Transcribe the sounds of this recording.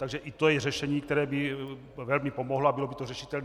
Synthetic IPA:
t̪aɡʒɛʔit̪ojɛrɛʃɛɲiːkt̪ɛɾɛːbɪ | vɛlmipo̞moɦloabɪlo̞bit̪orɛʃit̪ɛln

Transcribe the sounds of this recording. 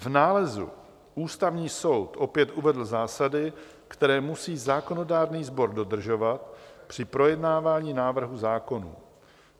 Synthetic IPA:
vnaːlɛzṵ | ʔuːst̪avɲiːso̞wt̪ʔo̞pjɛt̪ʔuvɛdl̩zaːsadɪ | kt̪ɛɾɛːmusiːzaːko̞no̞daːɾniːzbo̞ɾdo̞d̪r̩ʒo̞vat̪pr̝̥ɪpɾo̞jɛdnaːvaːɲiːnaːvr̩ɦuzaːko̞nṵː

